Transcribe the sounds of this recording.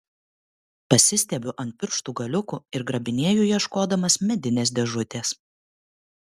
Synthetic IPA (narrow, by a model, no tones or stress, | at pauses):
pɐsʲɪsʲt̪ʲɛbʲʊʔɐnʲt̪̚ʲpʲɪɾʃt̪uːɡɐlʲʊkuɪɾɡɾɐbʲɪnʲeːjuːjiɛʃkoːd̪ɐmɐsmʲɛd̪ʲɪnʲeːsd̪ʲɛʒʊt̪ʲeːs